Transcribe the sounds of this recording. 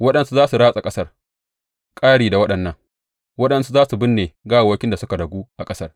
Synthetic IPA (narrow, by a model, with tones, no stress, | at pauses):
wɐ˦ɗɐ˨nsu˦zaː˦su˨ɽaː˦sʼa˨kʼɐ˦sɐ˦r | kʼaː˦ɽiː˨da˨wɐ˦ɗɐ˨nːɐ˦ŋ | wɐ˦ɗɐ˦nsu˦zaː˦su˨bɪ˦nːeː˨ɡaː˦˨woː˦kʲɪ˦nda˨sʊ˦ka˨dɐ˨ɡuː˦ʔa˨kʼɐ˦sɐ˦r